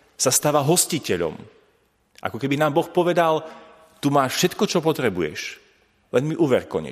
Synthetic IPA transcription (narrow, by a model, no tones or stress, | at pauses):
sast̪aːʋaɦɔscicɛʎɔ̰m | ʔa̰kɔkɛbinaːmbɔxpɔʋɛd̪al | t̪umaːʃfʃɛt̪kɔt͡ʃɔpɔt̪ɾɛbujɛ̰ʃ | lɛnmiʔuːʋɛɾkɔ̰ɲɛ̰